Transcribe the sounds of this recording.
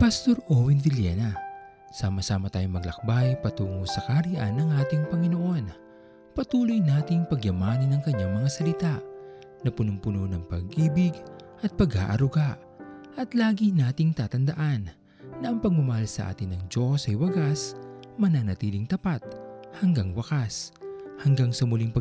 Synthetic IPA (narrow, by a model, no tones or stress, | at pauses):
pɐst̪o̞ɾʔowɪndɪljɛ̰nɐ | saːmɐsaːmɐt̪aːjoŋmɐɡlɐ̰k̚bajpɐt̪uːŋosɐkaɾiʔa̰nːɐŋʔaːt̪ɪŋpɐŋɪno̞ʔo̞n | pɐt̪uːlojnaːt̪ɪŋpɐɡjɐmaːnɐnːɐŋkɐɲːaŋmɐŋasɐlɪt̪aʔ | nɐpʊnʊŋpʊnonɐŋpɐɡʔiːbɪɡʔɐt̪̚pɐɡha̰ːʔɐ̰ɾʊɡaʔ | ʔɐt̪laːɡinaːt̪ɪŋt̪aːt̪ɐnd̪ɐʔanː | ɐʔɐŋpɐɡ̚mʊmɐhalsɐ̰ʔa̰ːt̪ɪnːɐŋd͡ʒo̞sɐjwɐɡasmɐnanɐt̪iːlɪŋt̪ɐpat̪̚hɐŋɡaŋwɐkashɐŋɡaŋsɐmʊliŋpɐ